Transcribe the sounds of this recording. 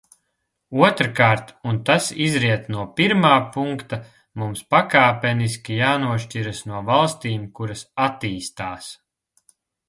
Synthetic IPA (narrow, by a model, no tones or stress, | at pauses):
uɔt̪ɾkaːɾt̪unt̪asizɾiɛt̪nuɔpiɾmaːpuŋkt̪a | mumspakaːpʲɛnis̬kʲijaːnuɔʃt͡ʃiɾasnuɔvalˠst̪iːmkuɾɐsat̪iːst̪aːs